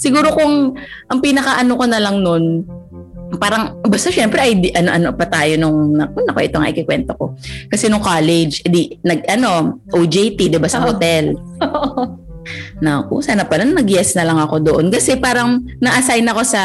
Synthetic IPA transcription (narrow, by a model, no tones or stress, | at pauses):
sɪɡuːɾo̞koŋʔɐŋpinɐkɐʔɐnokonɐlɐŋno̞n | paːɾɐŋbɐst̪aʃɛmpɾɛʔɐjd̪iʔɐnoʔɐnopɐt̪aːjo̞nʊŋnɐk̚ʊnɐkoʔɛt̪oŋɐ̰ʔɪkɪkwɛnt̪oko̞kɐsɛnʊŋkaːlɛd͡ʒɛd̪inɐɡ̚ʔɐno̞ʔod͡ʒejt̪id̪ɪbasɐhot̪ɛl | nɐʔo̰saːnɐpɐlannɐɡjɛsnɐlɐŋɐko̞d̪oʔonkɐsɛpaːɾɐŋnɐʔɐsajnɐko̞sɐ